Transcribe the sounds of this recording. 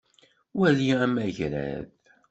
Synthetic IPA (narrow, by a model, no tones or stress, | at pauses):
wæliæmæʝɾæ̰ð